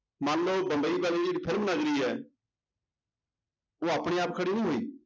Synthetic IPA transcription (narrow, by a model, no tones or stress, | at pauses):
mãːnloːbə̃mbəiːbaːliːd͡ʒiɽipʰɪlmnəɡɾiːɛː | oːaːpɽ̃iːaːp̚kʰəɽiːnĩːɦoːiː